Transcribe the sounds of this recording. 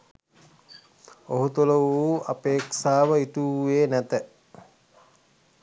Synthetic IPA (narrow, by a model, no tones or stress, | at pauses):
oɦut̪uləʋuːʔapeːksaːʋəit̪uːeːnæt̪ə